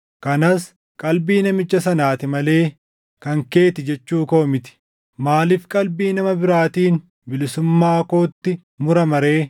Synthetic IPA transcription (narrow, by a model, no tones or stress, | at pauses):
kɐnɐs | kʼɐlbiːnɐmɪt͡ʃːɐsɐnaːt̪ɪmɐle̞ː | kɐŋke̞ːt̪ɪd͡ʒɛt͡ʃːuːkoːmɪt̪ɪ̥ | maːlɪfkʼɐlbiːnɐmɐbɪɾaːt̪iːn | bɪlɪsʊmːaːko̞ːt̪ːɪ | mʊɾɐmɐɾe̞ː